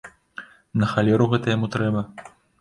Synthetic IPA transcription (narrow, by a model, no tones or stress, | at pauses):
nɐxalʲɛɾuɣɛt̪ɐjamut̪ɾɛbɐ